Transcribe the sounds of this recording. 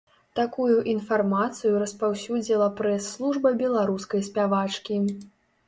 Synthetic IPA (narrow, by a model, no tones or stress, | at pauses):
t̪akujuʔinfarmat̪sɨjuɾɐspawsʲud͡zʲilˠɐpɾɛsːlˠuʐbɐbʲɛlˠaɾuskɐjsʲpʲavat͡ʂkʲi